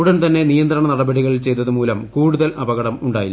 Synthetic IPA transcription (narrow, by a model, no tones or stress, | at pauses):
ɽɐnt̪ɐnːe̞nijɐnd̪rɐɳɐnɐɽɐbɐɽiɣɐɭilt͡ɕe̞jt̪ɐðɨmuːlɐmkuːɽuðɐlʔɐbɐɣɐɽɐmuɳɖaːji